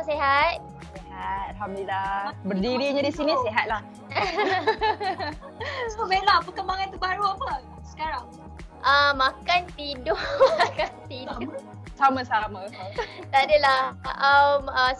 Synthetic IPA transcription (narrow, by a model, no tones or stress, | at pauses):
seɦat̪̚ | sehat̪̚alɦamdilabərdiɾiɲãdisiniseɦat̪̚lah | sbelapəkəmbaŋant̪ubaɾuapə | sə̥kaɾaŋ | ʔəmãkant̪idokant̪i | samãsamãt̪adəlaəməs